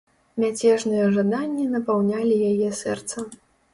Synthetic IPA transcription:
mʲat͡sʲɛʐnɨjɛʐad̪anʲːinɐpawnʲalʲijajɛsɛ̰rt̪sɐ

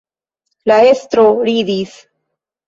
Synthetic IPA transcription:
laest̪ɾoɾid̪is

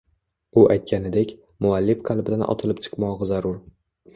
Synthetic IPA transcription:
ʊʔajt̪̚kʲʰanɪd̪ekʲ | mʊalːifqʰɑlˠbɪd̪anʔɒ̰t̪ʰɪlɪpt͡ʃʰɨ̥qmɒʁɨzaɾʊɾ

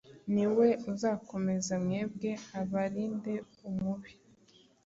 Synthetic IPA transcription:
niwe̞uzaːko̞me̞zamŋeːb̚ɡe̞aβaɾiːnde̞ | umuβi̥

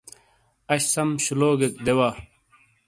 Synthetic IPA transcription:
ɐɕsɐmɕuloːɡekd̪ewa

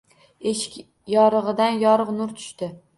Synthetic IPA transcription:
eʃɪ̥kʲ | jɒɾɨʁɨd̪anjɒɾɨqnʊɾt̪ʰʊ̥ʃt̪ɪ

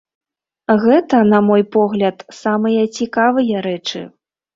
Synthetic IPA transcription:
ɣɛt̪ɐnɐmɔjpɔɣlʲɐt̪samɨjɐt͡sʲikavɨjɐɾɛt͡ʂɨ̰

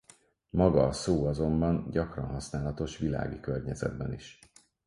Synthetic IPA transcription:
mɒɡɒːsoːɒzo̞mbɒnɟɒkrɒnɦɒsnaːlɒt̪o̞ʃʋila̰ːɡikørɲɛzɛ̰d̪̚bɛniʃ

